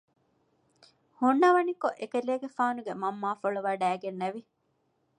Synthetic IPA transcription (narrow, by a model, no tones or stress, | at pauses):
hunːɐʋɐnikoʔekeleːɡefaːnuɡemɐmːaːfoɭuʋɐɖæːɡenːɐʋi